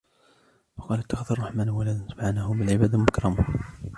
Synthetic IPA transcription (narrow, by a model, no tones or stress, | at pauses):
fɑqɑːlat̪ːɑxd̪ɑɾˤrˤːɑħmaːnwalaːd̪nsabʕanahʊmbɪlʕɪbæːd̪amʊkɾˤɑmuh